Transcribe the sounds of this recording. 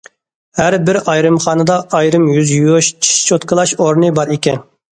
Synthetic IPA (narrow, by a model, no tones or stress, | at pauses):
hæɾbɪɾɑjɾɨmχɑːnɨd̪ɑʔɑjɾɨmjyzjoʃt͡ʃʰi̥ʃt͡ʃʰot̪qʰəlˠɑʃoɾnɨbɑɾekʲɛn